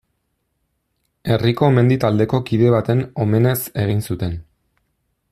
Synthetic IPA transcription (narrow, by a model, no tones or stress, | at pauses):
e̞riko̞me̞nd̪it̪ald̪e̞ko̞kiðe̞β̞at̪e̞no̞me̞ne̞se̞ɣ̞insut̪e̞n